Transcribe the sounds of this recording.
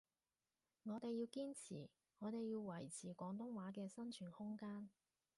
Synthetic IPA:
ŋɔː˨˧t̪e˨jiː˧wkiː˥nt͡sʰḭː˨˩ | ŋɔː˨˧t̪e˨jjiː˧wwɐ˨˩jt͡sʰiː˨˩kʷɔː˨˥ŋt̪ʊ˥ŋwaː˨˥kɛː˧sɐ˥nt͡ʃʰyː˨˩nhʊ˥ŋkaː˥n

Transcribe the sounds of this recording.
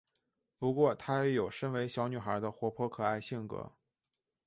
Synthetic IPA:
pu˧˥kwɔ˥˧t̪ʰa˥jɛ˧˥jo˨˩ʊʂə˥nwe˧˥ɪɕjɑ˧˥ʊny˨˩xə˞˧˥d̪ə˧xwɔ˧˥pʰwɔ˥kʰɤ˨˩a˥˧ɪɕi˥˩ŋkɤ̰˧˥

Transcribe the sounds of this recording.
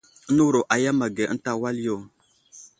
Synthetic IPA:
nu˦ɾo˨ʔa˨ja˦ma˨ɡe˨˦n̩˦ta˦wa˦ljo˦˨

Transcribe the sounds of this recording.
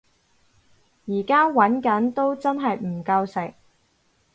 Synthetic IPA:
jiː˨˩kaː˥wɐ˨˥nkɐ˨˥nt̪o˥wt͡sɐ˥nɦɐ˨jm̩˨˩kɐ˧wsɪ˨˩k̚

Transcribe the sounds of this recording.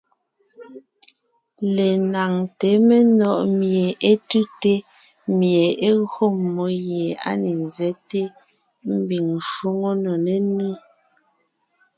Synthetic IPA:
le˨na˨ŋte˨˦me˦nɔ˦˨ʔmje˨ʔe˦tu˦te˦ | mje˨e˦ɣo˦˨mːo˨˦jje˨a̰˦ne˨nzɛ˦te˦ | m̩˦bi˨ŋ˨ʃwu˦ŋo˦no˨ne˦nu˦

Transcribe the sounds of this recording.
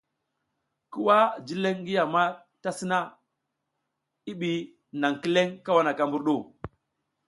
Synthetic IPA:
ku˦wa˦d͡ʒi˦le˦ŋ˦ɡi˦ja˨ma˦ | ta˦si˦na˦ | i˦ɓi˨ | na˨ŋki˦le˦ŋka˦wa˦na˨ka˦mbu˦ɾɗu˦˨

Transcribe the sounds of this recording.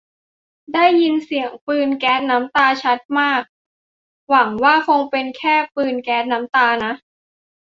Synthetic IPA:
daː˥˩jːi˧nsi˨˩˦əŋpɯː˧nkɛː˦˥t̪̚na˦˥mt̪aː˧t͡ɕʰa˦˥t̪̚maː˥˩k̚ | wa˩˦ŋwaː˥˩kʰo˧ŋpe˧nkʰɛː˥˩pɯː˧nkɛː˦˥t̪̚na˦˥mt̪aː˧na˦˥ʔ

